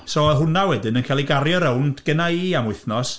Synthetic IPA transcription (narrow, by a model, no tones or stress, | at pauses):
sɔɛɦʊnawɛdɨnənkʰalˠiɡaɾjɔɾɛwndɡ̥ənaiamʊθnɔs